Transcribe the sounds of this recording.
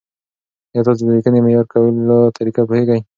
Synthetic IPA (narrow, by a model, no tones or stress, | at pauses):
jɑt̪ɑs̬od̪əɾikənemejɑɾkawəlot̪ʰaɾikapoheɡaj